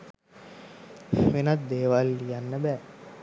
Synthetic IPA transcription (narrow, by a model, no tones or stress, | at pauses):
ʋenat̪̚d̪eːʋalːijanːəbɛː